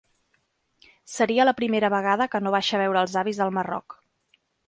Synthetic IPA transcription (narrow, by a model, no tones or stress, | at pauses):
səɾiələpɾimeɾəβəɣ̞aðəkənoβ̞aʃəβ̞ɛwɾəːlˠzaβizðəlˠmərɔ̰k